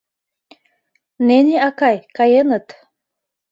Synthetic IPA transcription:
neniakajkajenət̪

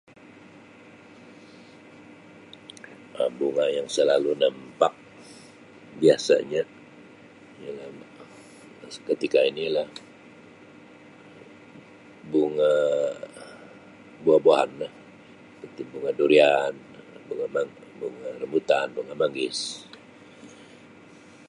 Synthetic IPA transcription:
əbuŋajaŋsəlalunəmpak̚ | biasa̰ɲa | jaŋa | kət̪ikainilah | buŋa | buaboaɦanlah | pət̪ɪŋbuŋadoɾian | buŋamabuŋarəmbut̪anbuŋamaŋɪs

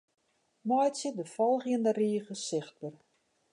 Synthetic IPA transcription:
mɔjsɪdəfɔlˠxjəndəriːɣəsɪxt̚bər

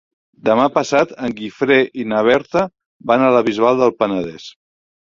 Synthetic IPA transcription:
d̪əmapəsat̪əŋɡifɾeʔinəβɛɾt̪ə | banələβ̞izβalˠd̪əlˠpənəðɛ̰s

